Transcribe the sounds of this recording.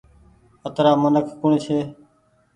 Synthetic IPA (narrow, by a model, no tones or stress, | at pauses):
ət̪ɾaːmənəkʰkʊɳ̃et͡ʃʰeː